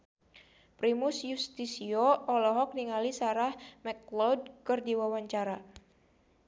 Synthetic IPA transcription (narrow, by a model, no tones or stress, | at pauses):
pɾimʊsjust̪isioɔlɔɦɔk̚niŋalisaɾahmɛklɔd̚kɨrdiwawaɲt͡ʃaɾa